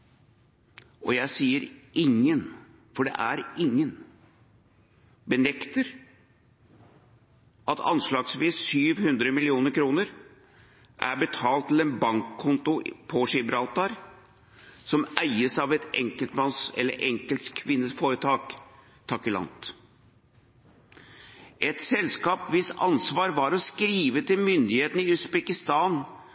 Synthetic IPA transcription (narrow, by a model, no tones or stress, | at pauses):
ʔɔjæɪsiːəɾʔɪŋːən | fɔɖɛ̰ʔæɾɪŋːən | bənɛkt̪əɾ | ʔɑt̪ʰɑ̰nʂlɑːɡsʋiːsːyːʋhʉnd̪ɾəmɪlɪuːnəɾkʰɾuːnəɾ | ʔæ̰ɾbət̪ʰɑːlt̪ʰːɪlɛnbɑŋkʰːʊnt̪ʊpʰɔʂɪbɾɑlt̪ɑɾ | sɔmʔæɪəsɑʋɛt̪ɛ̰ŋkəlt̪mɑnsɛ̰lːə̰ɾʔɛŋkəlt̪kʰʋɪnːəsfoːɾət̪ʰɑːk | t̪ʰːɑkɪlɑ̰nt̪ | ʔɛt̪sɛlskɑːpʋɪsɑ̰nsʋɑːɾʋɑɾɔskɾiːʋət̪ʰɪlmʏnd̪ɪheːt̪n̩ɪʉsbɛkɪst̪ɑːn